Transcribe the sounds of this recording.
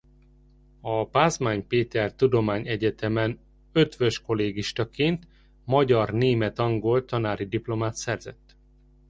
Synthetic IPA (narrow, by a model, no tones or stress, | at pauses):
ɒbaːzmaːɲpeːt̪ɛrt̪ud̪o̞maːɲɛɟɛt̪ɛmɛn | ø̞t̪ʋø̞ʃko̞leːɡiʃt̪ɒkeːnt̪ | mɒɟɒrneːmɛt̪ɒŋɡolt̪ɒnaːɾid̪iplo̞maːt̪sɛrzɛ̰t̪ː